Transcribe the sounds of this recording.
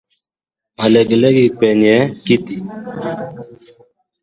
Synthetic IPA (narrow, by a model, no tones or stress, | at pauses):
alɛɡlɛɡik͡pɛɲɛkit̪i